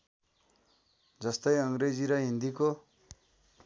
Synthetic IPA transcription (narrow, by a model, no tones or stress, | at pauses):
d͡zʌst̪ʌjʌŋred͡ziɾʌɦĩnd̪iko